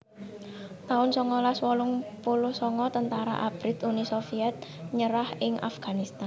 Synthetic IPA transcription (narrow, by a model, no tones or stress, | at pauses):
t̪aʊnsɔŋɔlaswɔlʊŋpulʊhsɔŋɔt̪ənt̪aɾa̰ʔab̥ɾɪt̪unisofiɛt̪̚ɲəɾahɪŋʔa̰fɡ̥anist̪an